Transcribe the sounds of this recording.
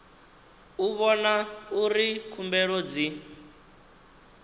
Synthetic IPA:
uβɔnauɾikʰumbɛɺod͡zi

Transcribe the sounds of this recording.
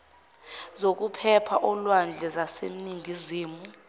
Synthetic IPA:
zok̬ʼupʰɛpʰaʔɔlwand͡ɮʱɛzasḛm̩niŋɡʱiziːmu

